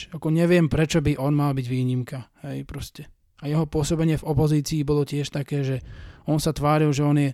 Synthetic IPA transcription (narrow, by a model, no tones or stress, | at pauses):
akɔɲɛʋɪɛmpɾɛt͡ʃɔbiʔɔnmalbiɟʋiːɲimkahɛjpɾɔscɛ | ajɛɦɔpʊɔsɔbɛɲɪɛvɔpɔziːt͡siːbɔlɔcɪɛʃt̪akɛːʒɛɔnsat̪ʋaːɾilʒɛɔnjɛ